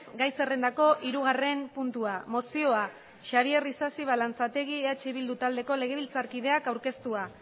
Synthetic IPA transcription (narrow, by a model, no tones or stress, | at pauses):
sɡajse̞rend̪ako̞ʔiɾuɣ̞are̞mpunt̪uamo̞sio̞a | ʃaβ̞ierisasiβ̞alant͡sat̪e̞ɣieat͡ʃeβild̪ut̪ald̪e̞ko̞le̞ɣ̞e̞β̞ilt͡saɾkið̞e̞akawɾke̞st̪ua